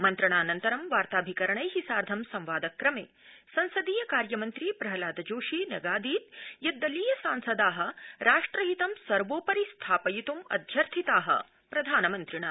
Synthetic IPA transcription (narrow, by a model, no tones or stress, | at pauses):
mɐnt̪ɾɐɳaːnɐnt̪ɐɾɐmʋaːɾt̪aːbʱikɐɾɐɳɐjɦisaːɾd̪ʱɐmsɐ̃mʋaːd̪ɐkːɾɐmḛːsɐ̃nsɐd̪iːjɐkaːɾjɐmɐnt̪ɾipɾɐɦɐlaːd̪ɐd͡ʒoːʂiːnɐ̰ɡaːd̪iːt̪̚jɐd̪ːɐliːjɐsaːnsɐd̪aːɦɐ̆ɾaːʂʈɾɐɦit̪ɐmsɐɾʋoːpɐɾist̪ʰaːpɐjit̪umɐ̰d̪ʱjɐɾt̪ʰit̪aːɦɐ̰ | pɾɐd̪ʱaːnɐmɐnt̪ɾiɳaː